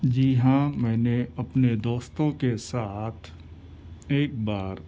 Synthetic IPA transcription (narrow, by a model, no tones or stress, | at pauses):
d͡ʒiɦãmɛ̃ːneɐpned̪oːst̪õkesaːt̪ʰ | eːk̚baːɾ